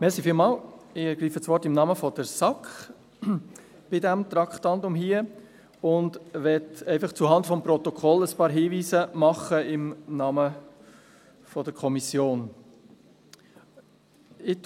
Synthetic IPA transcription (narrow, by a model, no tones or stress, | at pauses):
mɛɾsifiːlmɑːlɪɡɾiːfət͡sʋɔɾtɪmnɑːməfɔd̥əɾsɑkχ | b̥ɪdæmt̪ɾɑkχtɑntʊmɦiːə | ʊndʋɛtɛɪfɑχt͡suɦɑndfɔmpɾɔt̪ɔkʰɔləspɑːɾɦiːviːsəmɑχəɪmnɑːmə | fɔd̥əɾkʰɔmisjoːn | ɪ